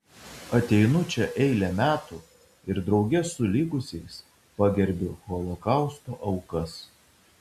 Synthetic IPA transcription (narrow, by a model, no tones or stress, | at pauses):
ɐt̪ʲɛɪnʊt͡ʃʲɛʔɛɪlʲɛmʲæːt̪uː | ɪɾd̪ɾɒʊɡʲɛsʊlʲiɡʊsʲɛɪs | pɑːɡʲɛɾʲbʲɪɣɔlˠɔkɑˑʊst̪oːʔɐʊkɐs